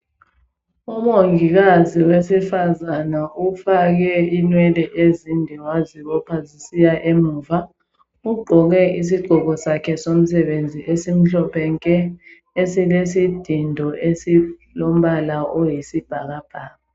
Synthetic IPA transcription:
umoŋik̬aziwesifazanaufak̬ɛinwɛlɛʔezindʱiwaziɔpʰazisijaʔemuːva | uɡ͡ǃʱɔk̬ɛis̬iɡ͡ǃ̥ʱɔkɔsakʰɛsom̩sɛɓend͡zʱiʔesim̩ɬɔpʰɛŋkʼɛ | esilesid̥ʱindʱɔesilom̩ɓalaojisib̥ʱak̬ab̥ʱaːa

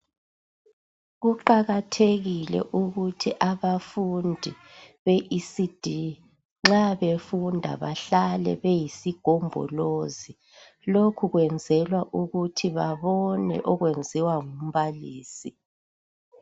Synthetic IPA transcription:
ɣuǃaɣatʰeɣilɛ̰ʔuɣutʰiʔaβafundʱi | βeʔisid̥ʱi | ŋ͡ǁaβefundʱa̰βaɬalɛ̰βejisiɡ̥ʱɔmbʱɔ̰lozi | lokʰuɣwɛnd͡zʱɛlwaʔuɣutʰiβaβɔnɛ̰ʔɔɣwend͡zʱiwaŋum̩βaliːsi

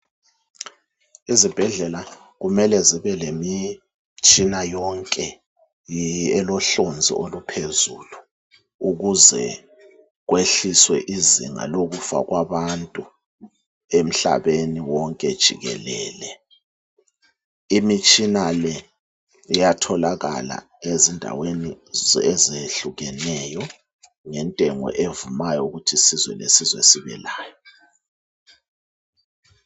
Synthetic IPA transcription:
izib̥ʱɛɮɛla | ɣumɛlɛziβɛlemi | t͡ʃʼinajɔŋkʼɛ | ɛlɔɬond͡zʱḭʔolupʰezuːlu | uɣuzɛ̰ | ɣ̬weɬiswɛʔizḭŋa̰loɣufa̰ɣwʔaβantʼu | em̩ɬa̰βeniwɔŋkʼɛd̥ʒ̥ʱiɣɛlɛːlɛ | imit͡ʃʼinalɛ | ijatʰɔlaɣa̰la̰ | ezindʱa̰weni | ezeɬuɣɛnɛjɔ | ŋɛntʼɛŋɔ̰ʔevumajɔuɣutʰisizwɛ̰lḛsizwḛsiβɛ̰laːjɔ

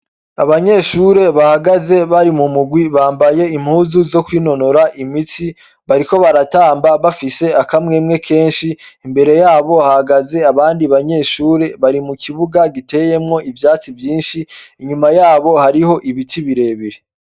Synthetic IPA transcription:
a̰βaɲe̞ːʃuɾe̞βahaɡaze̞βaɾimumuɡwiβaːmbaje̞im̥huːzuzo̞kwiːno̞no̞ɾaʔimit͡si | βaɾiko̞βaɾataːmbaβafise̞akamŋeːmŋe̞kʰe̞ːnʃiːmbe̞ɾe̞jaːβo̞hahaɡaze̞aβaːndiβaɲe̞ʃuːɾe̞βaɾimukʰiβuɡaɡite̞je̞mŋo̞ʔivjaːt͡sivjiːnʃiːɲumajaːβo̞haɾiho̞ʔiβitʰiβiɾe̞βiɾe

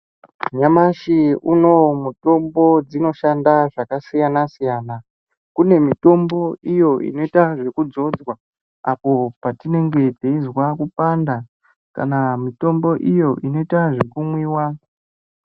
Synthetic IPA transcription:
ɲamaʃiuno̞muto̞mbo̞d͡zino̞ʃandaʐakasijanasijaːna | kune̞mito̞mbo̞ijo̞ḭno̞itaʐe̞kud͡zo̞d͡zwa | apo̞patine̞ŋɡe̞teizwakupanda | ka̰namito̞mbo̞ʔijo̞ʔino̞itaʐe̞kumwiːwa

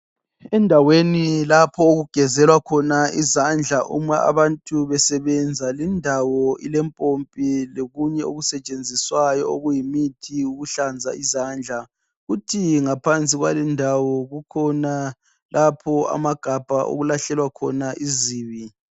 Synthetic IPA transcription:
ɛndʱawenilapʰɔoɣuɡ̥ʱɛzɛlwakʰɔnaizand͡ɮʱaʔṵmaʔa̰βantʼuβɛsɛβɛnd͡zʱalɛndʱawɔilɛmpʼompʼiloɣuɲɛoɣusɛt͡ʃʼend͡zʱiswajɔoɣujimitʰiuɣuɬand͡zʱa̰izand͡ɮʱa | ɣutʰiŋapʰant͡sʼiɣwalɛndʱawɔɣukʰɔna | lʔapʰɔa̰maɡ̥ʱab̥ʱa̰ʔo̰ɣulaɬɛlwakʰɔnaʔiziːβi

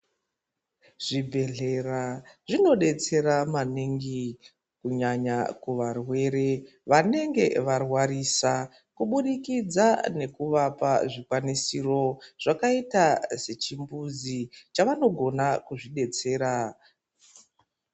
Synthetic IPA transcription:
ʐ̥ibʱe̞ɮe̞raʐ̥ino̞ɗe̞t͡se̞ɾamaniŋɡi | kuɲaɲakuʋarwe̞ɾe̞ | ʋane̞ŋɡe̞ʋarwaɾiːsa | kuɓuɗikid͡zane̞kuʋapa̰ʐikwanisiro̞ʐ̥akaitase̞t͡ʃimbuzit͡ʃaʋano̞ɡʱo̞nakuʐiɗe̞t͡se̞ːɾa

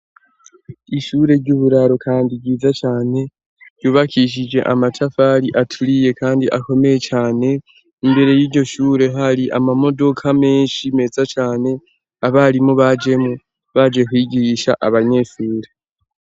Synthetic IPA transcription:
iʃuːɾe̞ɾɟuːβuɾaɾo̞kʰaːndiɡɟiːzat͡ʃaːne̞ | ɟjuːβakʰiʃ̬id͡ʒe̞ʔamatʰafaɾiʔatʰuɾije̞kaːndiʔako̞me̞je̞t͡ʃaːne̞ | imbe̞ɾe̞jiːɾɟo̞ʃuːɾe̞ɦaɾiʔa̰mamo̞do̞kʰame̞ːnʃime̞ːzat͡ʃaːne̞ | aβaɾimuβad͡ʒe̞mu | βad͡ʒe̞kwiːɡiʃa̰ʔaβaɲe̞ʃuːɾe̞

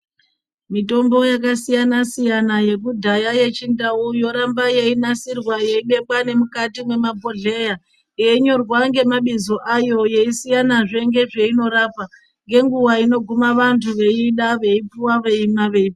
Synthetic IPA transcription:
mito̞mbo̞jakasijanasijanaje̞kudʱajaje̞t͡ʃindaujo̞ɾambaje̞inasirwaje̞iɓe̞ɓwane̞mukatimwe̞mabʱo̞ɮe̞ja | eɲo̞rwaŋɡe̞maɓizo̞ʔajo̞je̞isijanaʐe̞ŋɡe̞ʐe̞ino̞ɾapa | ŋɡe̞ŋɡuwaino̞ɡʱumaʋantʰuʋe̞iɗaʋe̞ipuwaʋe̞imaʋe̞ip

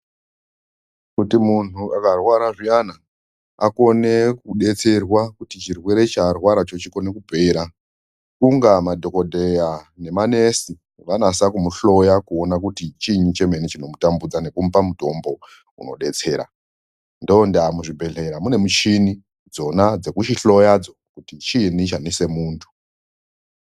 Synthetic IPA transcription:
kutimun̤uakarwaɾaʐiana | ako̞ne̞kuɗe̞t͡se̞rwakutit͡ʃirwe̞ɾe̞t͡ʃarwaɾat͡ʃo̞t͡ʃiko̞nekubʱe̞ɾa | kuŋɡamadʱo̞ko̞dʱe̞jane̞mane̞si | ʋanasakumuɬo̞jakuo̞nakutit͡ʃiɲit͡ʃe̞me̞nit͡ʃino̞mutambud͡zane̞kum̩pamuto̞mbo̞ | ṵno̞̰ɗe̞t͡se̞ːɾa̰ | ndoondamuʐibʱe̞ɮe̞ɾamune̞mut͡ʃini | d͡zo̞nad͡ze̞kuʃiɬo̞jad͡zo̞kutit͡ʃinit͡ʃanise̞muːntʰu̥

